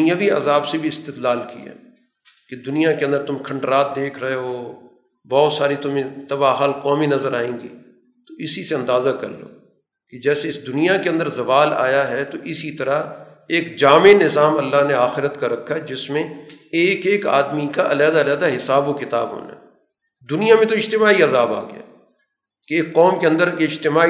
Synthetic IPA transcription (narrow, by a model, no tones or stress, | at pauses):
ijãbʱiɐ̰zaːbsebʱiɪst̪ɪt̪laːlkḭa̰ | ked̪ʊnijakeɐ̃nd̪əɾt̪ʊmkʰɐ̃ɳɖɾaːt̪̚d̪eːkʰɾɐɦeɦoː | bɔːt̪saːɾit̪ʊmẽt̪ɐbaɦaːlqɔːminɐzəɾaːẽːŋɡḭː | t̪oʔɪsiseɐ̃nd̪aːzakɐ̰ɾlo̰ː | ked͡ʒɛːseɪsd̪ʊnijakeɐ̃nd̪əɾzɐʋaːla̰ːjaɦɛt̪oʔɪsit̪ɐɾa | eːkd͡ʒaːmenɪzaːmɐlːaɦneaːxɪɾət̪kaɾɐkʰːad͡ʒɪsmẽeːkeːka̰ːd̪mikaʔɐlaːd̪alaːd̪aɦɪsaːbokɪt̪aːbɦo̰ːna̰ɛ | d̪ʊnijamẽt̪oɪd͡ʒt̪ɪmaːiɐzaːba̰ːɡɪ̰ja̰ː | keːkqːɔːmkeɐ̃nd̪əɾeɪd͡ʒt̪ɪmaː